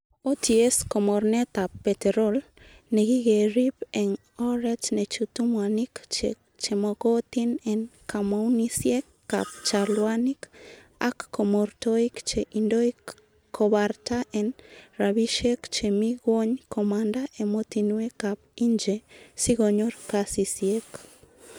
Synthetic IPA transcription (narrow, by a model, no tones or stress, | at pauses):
otieskomoɾnet̪apːet̪eɾol | neɣiɣeɾipɛŋ | ɔɾɛt͡ʃnet͡ʃutumwanikt͡ʃe | t͡ʃemokot̪inɛnkamaunisjekːa̰p̚t͡ʃalwanik | akːomoɾtoikt͡ʃeʔindoikː | oβaɾtaʔenɾaβiʃekt͡ʃemiɣwoɲkʰomandaʔemotinwekap̚iɲd͡ʒesiɣoɲoɾkasisiek